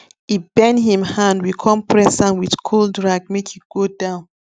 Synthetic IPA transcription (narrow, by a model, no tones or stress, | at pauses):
ibɛ̃nhĩmhãndwikʰɔ̃mpʰɹɛsãnwiðkʰoldɹaɡ̚mekhiɡ̥odãʊ̃n